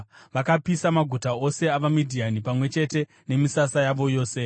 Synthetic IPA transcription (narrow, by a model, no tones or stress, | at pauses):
ʋakapisamaɡʱutao̞se̞aʋamidʱianipamwe̞t͡ʃe̞te̞ | ne̞misasajaʋo̞jo̞ːse̞